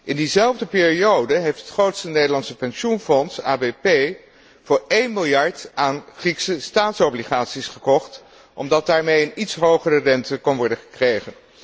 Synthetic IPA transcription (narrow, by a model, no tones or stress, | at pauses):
ʔɪndizɛlˠvdəpɪːriowdəɦejftɦətχrowtstənejdəlɑntsəpɛnʃunfɔnsaːbepej | v̥ʊːɹejnmɪlˠjɑɹtaːnχriksəstaːtsowbliχaːtsisχəkɔχt | ʔɔ̰mdɑt̚daːɹmejənitsɦowχərərɛntəkɑnʋɔɹdəχə̥krejχən